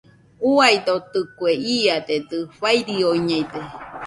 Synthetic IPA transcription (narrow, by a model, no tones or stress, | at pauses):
uajd̪ot̪ɨkueiad̪ed̪ɨɸajɾioiɲejd̪e